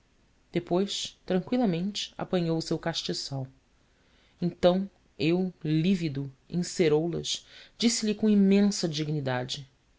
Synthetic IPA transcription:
d̪̥epojst̪ɾɐ̃ŋkwilˠɐmẽnt͡ʃɪ̥a̰pɐ̃ɲowʊsewkaʃt͡ʃisaw | ẽnt̪ɐ̃w̃ | ewlivid̪uḭ̃seɾowlɐ̰ʃd͡ʒisɪlikõimẽsɐd͡ʒiɡnid̪ad͡ʒɪ

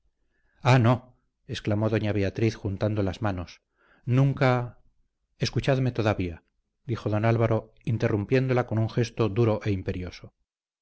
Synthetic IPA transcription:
ano | e̞sklamo̞ðo̞ɲaβe̞at̪ɾiθxunt̪and̪o̞lazmano̞s | nũŋka | eskut͡ʃaðme̞t̪o̞ðaβia | d̪ixo̞ðo̞nalβaɾo̞ | int̪e̞rumpje̞nd̪o̞lako̞nuŋxe̞st̪o̞ðuɾo̞ʔe̞impe̞ɾjo̞so

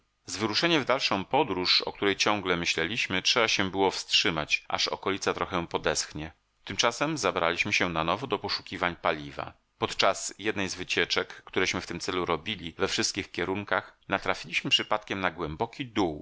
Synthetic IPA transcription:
zvɘɾuʂɛɲɛvd̪alʂɔ̃w̃pɔd̪ɾuʂɔ̰kt̪uɾɛjt͡ɕɔ̃ŋɡlɛmɘɕlɛlʲiɕmɘtʂɛbaɕɛbɘwɔfstʂɘma̰t͡ɕʔa̰ʂɔ̰kɔlʲit̪sat̪ɾɔxɛ̃pɔd̪ɛsxɲɛ | t̪ɘmt͡ʂasɛmzabɾa̰lʲiɕmɘɕɛnanɔvɔd̪ɔpɔʂu̥kʲivaɲpalʲiva̰ | pɔt̪t͡ʂasjɛd̪nɛjzvɘt͡ɕɛt͡ʂɛkːt̪uɾɛɕmɘft̪ɘmt̪sɛluɾɔbʲilʲivɛfʂɘst̪kʲixkʲɛɾuŋkaxnat̪ɾafʲilʲiɕmɘpʂɘpat̪kʲɛmnaɡwɛmbɔkʲid̪uw

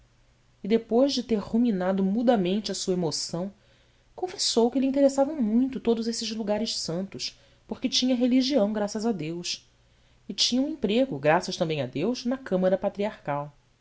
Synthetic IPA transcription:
ɪd̪epojzd͡ʒɪt̪eɾhuminad̪ʊmud̪ɐmẽnt͡ʃɪɐsuɐemosɐ̃w̃ | kõfesowkɪlɪĩt̪eɾesavɐ̃w̃mũj̃t̪ʊt̪od̪ʊzesɪzluɡaɾɪʃsɐ̃nt̪ʊs | poɾkɪt͡ʃĩɲɐɦeliʒiɐ̃w̃ɡɾasɐzad̪ews | ɪt͡ʃĩɲɐũĩmpɾeɡʊɡɾasɐʃt̪ɐ̃mbẽj̃ɐd̪ewʃnɐkɐ̃mɐɾɐpat̪ɾiaɾkaw

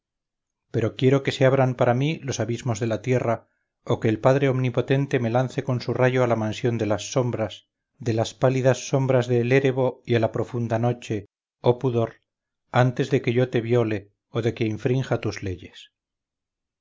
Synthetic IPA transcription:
pe̞ɾo̞kje̞ɾoke̞se̞aβɾampaɾamilo̞saβizmo̞zðe̞lat̪je̞ra | oke̞ːlpaðɾe̞o̞mnipo̞t̪e̞nt̪e̞me̞lanθe̞ko̞nsuraʝo̞alamãnsjo̞nd̪e̞lasːo̞mbɾas | ðe̞laspaliðasːo̞mbɾazðe̞ːle̞ɾe̞β̞o̞ialapɾo̞fund̪ano̞t͡ʃe̞ | opuðo̞ɾ | ant̪e̞zðe̞ke̞ʝo̞t̪e̞βjo̞le̞ | oðe̞ke̞iɱfɾiŋxat̪uzle̞ʝe̞s

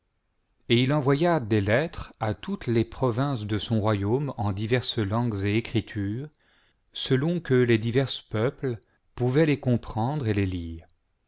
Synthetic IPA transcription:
eilɑ̃vwajad̪elɛt̪χat̪ut̪lepχɔvɛ̃sd̪əsɔ̃ʁwajomɑ̃d̪ivɛʁslɑ̃ɡzeːkχit̪ʰyːʁ | səlɔ̃kəled̪ivɛʁspœpl | puvɛlekɔ̃pχɑ̃d̪ʁeleliːʁ

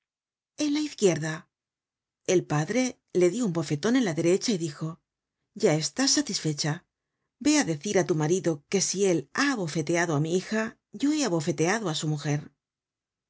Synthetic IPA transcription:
e̞nlaiθkje̞ɾða | e̞lpaðɾe̞ | le̞ðjo̞umbo̞fe̞t̪o̞ne̞nlaðe̞ɾe̞t͡ʃaiðixo̞ | ɟ͡ʝae̞st̪asːat̪isfe̞t͡ʃa | be̞aðe̞θiɾat̪umaɾiðo̞ke̞sie̞laːβo̞fe̞t̪e̞aðo̞amiixa | ʝo̞e̞aβo̞fe̞t̪e̞aðoasumuxe̞ɾ

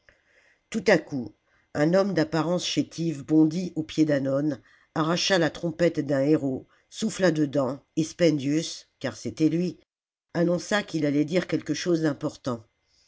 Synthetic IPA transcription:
t̪ut̪aku | ɛ̃nɔmd̪apaʁɑ̃sʃet̪ʰivbɔ̃d̪iʔopjed̪anɔn | aʁaʃalat̪χɔ̃pɛt̪d̪ɛ̃eʁo | suflad̪əd̪ɑ̃espɛ̃nd̪jyskaʁset̪ɛlɥi | anɔ̃sakʲilalɛd̪iʁkʲɛlkəʃozd̪ɛ̃pɔʁt̪ɑ̃

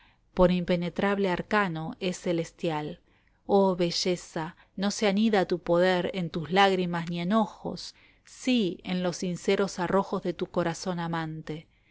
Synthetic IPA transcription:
po̞ɾimpe̞net̪ɾaβleaɾkano̞esːe̞le̞st̪jal | oβe̞ʒesa | no̞seaniðat̪upo̞ðeɾent̪uzlaɣɾimasnienoxo̞̰sː | iḛnlo̞sinseɾo̞saro̞xozðet̪uko̞ɾaso̞namãnt̪e

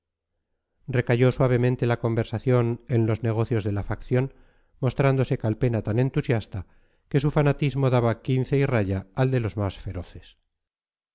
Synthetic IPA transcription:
rre̞kaʝo̞swaβ̞e̞mẽnt̪e̞lako̞mbe̞ɾsaθjo̞ne̞nlo̞zne̞ɣ̞o̞θjo̞zðe̞lafakθjo̞n | mo̞st̪ɾand̪o̞se̞kalpe̞nat̪anẽ̞nt̪usjast̪a | ke̞sufanat̪izmo̞ðaβakinθeiraʝaːld̪e̞lo̞zmasfe̞ɾo̞θe̞̥s

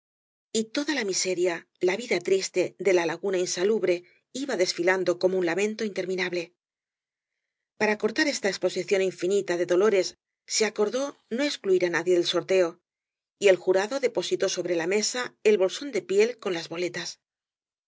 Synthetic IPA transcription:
it̪o̞ðalamise̞ɾjalaβiðat̪ɾist̪e̞ðe̞lalaɣunainsaluβɾe̞ | iβaðe̞sfiland̪o̞ko̞mo̞unlamẽ̞nt̪o̞int̪eɾmĩnaβle̞ | paɾako̞ɾt̪aɾe̞st̪aespo̞siθjo̞niɱfinit̪aðe̞ðo̞lo̞ɾe̞sː | e̞ako̞ɾðo̞no̞e̞skluiɾanaðje̞ðe̞lso̞ɾt̪e̞o̞ | ie̞lxuɾaðo̞ðe̞po̞sit̪o̞so̞βɾe̞lame̞sae̞lβo̞lso̞nd̪e̞pje̞lko̞nlazβo̞le̞t̪as

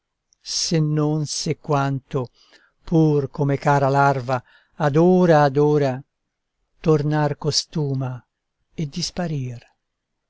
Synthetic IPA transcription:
senːonsekːwant̪o | pʰurkomekaːɾalarvaː | d̪oːɾaːd̪oːɾa | t̪ornarkost̪uːma | ed̪ːispaɾir

